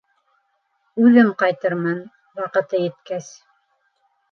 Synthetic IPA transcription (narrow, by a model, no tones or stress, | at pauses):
ʉðɘmqɑjt̪ɤɾmɤn | wɑqɤ̆t̪ɤjɘ̆t̪kæs